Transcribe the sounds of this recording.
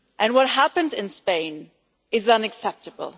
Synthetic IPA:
ʔɨ̃nwʌt̚ɦæpɨ̃ndɨ̃nspẽɪ̃n | ɨzʌ̃nɨksɛp̚tɨbə̰l̩ˠ

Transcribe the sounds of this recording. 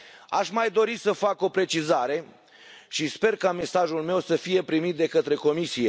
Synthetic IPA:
aʃmajd̪o̞ɾisəfako̞pɾe̞t͡ʃizaɾe̞ | ʃispe̞rkame̞saʒulme̞wsəfije̞pɾimit̪̚d̪e̞kət̪ɾe̞ko̞misije̞

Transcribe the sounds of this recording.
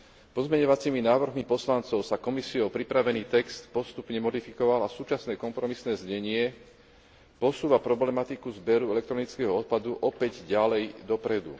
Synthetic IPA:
pɔzmɛɲɔʋat͡siːminaːʋr̩ɦmipɔslant͡sɔʊsakɔmisiɔpɾipɾaʋɛniːt̪ɛkst̪pɔst̪upɲɛmɔd̪ifikɔʋalasuːt͡ʃasnɛːkɔmpɾɔmisnɛːzɲɛɲɪɛ | pɔsuːʋapɾɔblɛmat̪ikuzbɛɾuɛlɛkt̪ɾɔnit͡skɛɦɔɔt̪̚pad̪uʔɔpɛɟɟalɛjd̪ɔpɾɛd̪ṵ

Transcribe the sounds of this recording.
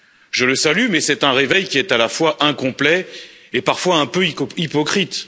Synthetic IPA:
ʒələsalymɛsɛt̪ɛ̃ʁevɛjkʲiɛt̪alafwaʔɛ̃kɔ̃plɛepaʁfwaɛ̃pøipɔkχit̪

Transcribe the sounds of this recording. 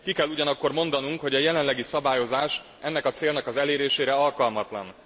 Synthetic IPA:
kikɛlːuɟɒnɒkːo̞rmo̞nd̪ɒnuŋkho̞ɟɒjɛlɛnlɛɡisɒbaːjo̞zaːʃ | ʔɛnːɛkɒt̪seːlnɒkɒzɛleːɾeːʃeːɾɛɒlkɒlmɒt̪lɒ̰n

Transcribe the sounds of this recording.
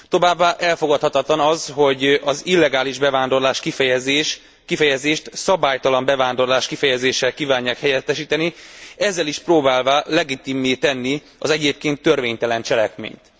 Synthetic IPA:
t̪o̞vaːbːaːʔɛlfo̞ɡɒt̪hɒt̪ɒt̪lɒnɒzho̞ɟɒzilːɛɡaːliʒbɛvaːnd̪o̞rlaːʃkizʃ | kifɛjɛzeːʃt̪sɒbaːjt̪ɒlɒmbɛvaːnd̪o̞rlaːʃkifɛjɛzeːʃːɛlkiːvaːɲːaːkhɛjɛt̪ːɛʃiːt̪ɛniɛzːɛliʃproːbaːlvaːlɛɡit̪imːeːt̪ɛnːi | ɒzɛɟeːp̚keːnt̪ːø̞rveːɲt̪ɛlɛnt͡ʃɛlɛkmḛːɲt̪

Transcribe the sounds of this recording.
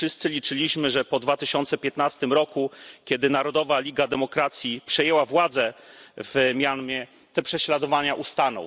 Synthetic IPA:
ʂɘst̪sɘlʲit͡ʂɘlʲiɕmɘʐɛpɔd̪vat̪ɘɕɔnt̪sɛpʲjɛt̪nast̪ɘmɾɔkukʲjɛd̪ɘnaɾɔd̪ɔvalʲiɡad̪ɛmɔkɾat̪sʲjipʂɛjɛwavwad̪zɛvmʲjanmʲjɛ | t̪ɛpʂɛɕlad̪ɔvaɲaʔust̪anɔ̰w

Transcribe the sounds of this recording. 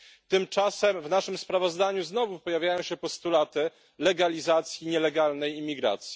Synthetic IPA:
t̪ɘmt͡ʂasɛmvnaʂɘmspɾavɔzd̪aɲuznɔvupɔjavʲjajɔ̃w̃ɕɛpɔst̪ulat̪ɘ | lɛɡalʲizat̪sʲjiɲɛlɛɡalnɛjimʲːiɡɾa̰t̪sʲji

